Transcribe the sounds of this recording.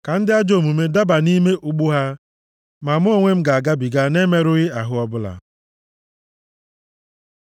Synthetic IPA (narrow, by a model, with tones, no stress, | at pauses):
ka˨n̩˦dɪ˦a˦d͡ʒo˨mu˨me˦da˦ba˨ni˦me˦ʔu˨ɡ͡bu˦ɦa˦ | ma˨mʊ˦o˦ŋʷe˦m̩˦ɡa˨a˨ɡa˦bi˨ɡa˦ne˦me˦ɾʊ˦ɣɪ˦a˨ɦʊ˦ɔ˦bʊ˦la̰˨